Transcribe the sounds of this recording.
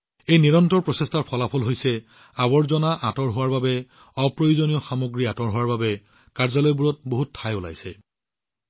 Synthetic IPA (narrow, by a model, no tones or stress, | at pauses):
ejniɹɔntɹɔɹpɹɔsestaɹpʰɔlapʰɔlɦojsɛ | abɔɹzɔnaʔatɔɹɦʊwaɹbabɛ | ɔpɹojuzonijɔxamoɡɹiatɔɹɦowaɹbabɛ | kaɹzɔlɔjbuɹɔt̚boɦutʰːajʊla̰jsɛ